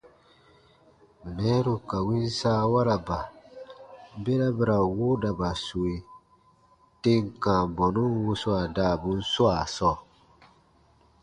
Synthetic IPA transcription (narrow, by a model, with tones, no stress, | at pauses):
mi˨nɛ̃˦ɾu˨ka˨wĩ˦n˦saː˦wa˦ɾa˨ba˨˦ | be˦ɾa˦bɛ˦ɾa˨wo˦da˨ba˨su˨e˨ | te˦ŋ˨kã˨bɔ˨nũ˦wo˦su˦a˨daː˦˨bu˦n̩˦su˦a˨sɔː˦˨